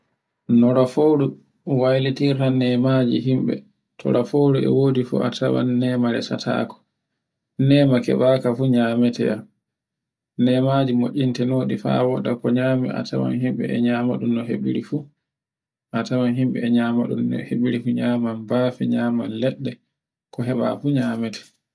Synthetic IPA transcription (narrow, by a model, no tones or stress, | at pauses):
nɔɾafowɾu | wajlitiɾtanɛmad͡ʒḭɦimɓɛ̰ | tʰɔ̰ɾafowɾuɛ̰woːdifṵʔa̰tʰawa̰nːɛːmaɾɛ̰sa̰tʰa̰ːkɔ̥ | nɛːmakɛ̰ɓakafuɲaːmɛtʰɛ̰am | nɛmad͡ʒimoʔintɛnoːɗifa̰wɔɗakɔɲamḭʔa̰tʰawa̰nɦimɓɛ̰ɛɲaːmaɗumnɔɦḛɓḭɾifu | ʔatawanɦimɓɛ̰ːɲamaɗṵmɔ̰heɓiɾifuɲamanbaːfiɲaːmanlɛɗːɛ | kɔɦɛɓa̰fuɲamɛtʰɛ̥